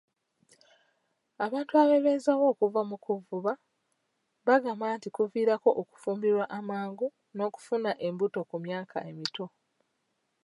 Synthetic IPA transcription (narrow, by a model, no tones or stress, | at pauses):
aβaːntuaβe̞βezawo̞ːkuvamukuvuβa | βaɡamaːntikuviːɾako̞ʔoku̥fuːmbiɾwaʔamaːŋɡu | no̞ːku̥funaʔe̞mbuto̞kumjaːkʰa̰ʔe̞mito̞